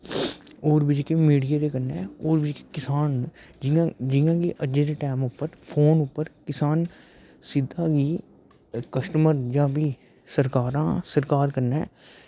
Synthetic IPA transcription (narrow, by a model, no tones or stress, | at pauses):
oːɾbɪd͡ʒkemiːɽɪjaːd̪eːkəɾnɛːoːɾbɪd͡ʒke̥kɪsaːnd͡ʒɪãd͡ʒɪjãːɡiːʔəd͡ʒed̪eːʈɛːmʊpːəɾpʰoːnʊpːəɾkɪsaːn | sɪd̪ʱaːɡiː | kəsʈəməɾd͡ʒãːbiː | səɾkaːɾãːsəɾkaːɾkəɾnɛː